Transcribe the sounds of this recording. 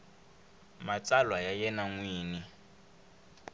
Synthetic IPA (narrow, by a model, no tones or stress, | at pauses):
mat͡salwajajɛnaŋwiːni